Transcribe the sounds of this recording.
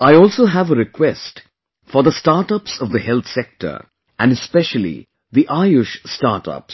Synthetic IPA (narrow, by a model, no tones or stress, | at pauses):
aɪɔːlˠsoɦævəɾɪkʰwɛsʈ | fəɾðəsʈaːɾʈʌpsʌvðəhɛlˠt̪sɛk̚ʈʰə̰˞ | ʔæ̃nɖɨspɛʃəlḭ | ðiʔaɪɪʃstaɾʈʌ̰ps